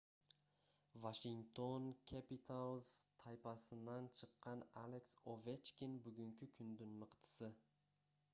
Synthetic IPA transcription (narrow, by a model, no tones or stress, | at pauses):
vaʃɪŋt̪ʰo̞nkʲʰapit̪ʰalˠz̥t̪ʰajpʰasɪnd̪ant͡ʃʰɨqːɑnaleksovet͡ʃkʲinbʊɡʲʊŋkʲʰɪkʲʰʊnd̪ɪnmɨqt̪ʰɪ̥sɪ